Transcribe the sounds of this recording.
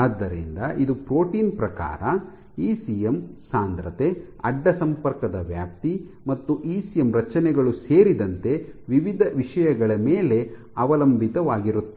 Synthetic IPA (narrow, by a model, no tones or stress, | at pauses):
aːd̪ːɐɾḭnd̪ɐʔid̪upɾo̞ːʈiːnpɾɐka̰ːɾɐ | iːsijemsaːnd̪ɾɐt̪e̞ | ɐɖːɐsɐmpɐɾkɐd̪ɐʋjaːp̚t̪i | mɐt̪ːuʔiːsijemɾɐt͡ʃɐnɛɡɐɭuseːɾid̪ɐnt̪e̞ʋiʋid̪ʱɐʋiʂɐjɐɡɐɭɐmeːle̞ | ɐʋɐlɐmbʱit̪ɐʋaːɡiɾut̪ːe